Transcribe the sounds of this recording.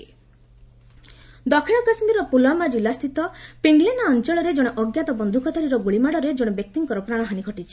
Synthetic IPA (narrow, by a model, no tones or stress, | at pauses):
d̪ɔkʰiɽ̃ɔkasmiɾɔpulamad͡ʒilːast̪ʰit̪ɔpeŋɡlenaɔnt͡ʃɔɭɔɾed͡ʒɔɽ̃ɔʔɔɡjat̪ɔbɔnd̪ʱukʰɔt̪ɔɾiɾɔɡuɭimaɽɔɾed͡ʒɔɽ̃ɔbjɔk̚t̪iŋkɔɾɔpɾaɽ̃ɔɦaɽ̃iɡʰʱɔʈit͡ʃʰi̥